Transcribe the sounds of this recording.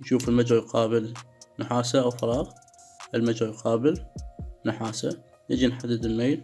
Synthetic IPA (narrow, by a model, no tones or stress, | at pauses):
nʃuːfəlmad͡ʒɾajqɑːbɪlnʊħaːsaʔawfɑɾˤɑːɣ | ʔəlmad͡ʒɾajqɑːbɪlnʊħaːsa | nɪd͡ʒinħad̪ːɪd̪ɪlmeːl